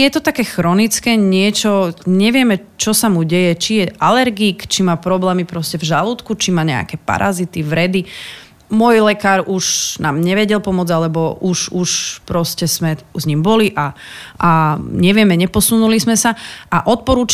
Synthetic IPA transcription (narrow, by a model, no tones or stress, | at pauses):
jɛt̪ɔt̪akɛːxɾɔnit͡skɛːɲɪɛt͡ʃɔɲɛʋɪɛmɛ | t͡ʃɔsamuɟɛjɛt͡ʃijɛʔalɛɾɡiːkt͡ʃimaːpɾɔblɛːmipɾɔscɛvʒaluːt̪kut͡ʃimaːɲɛ̰a̰kɛpa̰ɾazit̪iʋɾɛd̪i | mʊɔjlɛkaːɾuʃnaːmɲɛʋɛɟɛlpɔmɔd͡zalɛbɔʔuʒuʃpɾɔscɛzmɛzɲiːmbɔliʔaaɲɛʋɪɛmɛɲɛpɔsunulizmɛsaʔaʔɔt̪̚pɔɾuːt͡ʃ